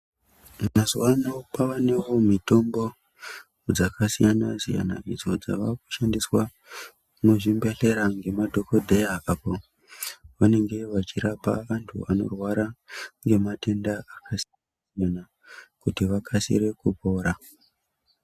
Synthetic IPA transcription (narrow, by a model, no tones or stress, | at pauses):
mazwanopaʋane̞womito̞mbo̞ | d͡zakʰasijanasḭja̰na̰id͡zo̞d͡za̰ʋaku̥ʃandiswa | noʐimbeɬe̞ɾaŋɡe̞madʱo̞ko̞dʱejaapo | ʋane̞ŋɡe̞ʋat͡ʃiɾapa̰ʋantʰṵa̰no̞̰rwaɾaŋɡe̞mate̞ndaakʰasijanasijana | kutiʋakʰasḭɾe̞kupo̞ːɾa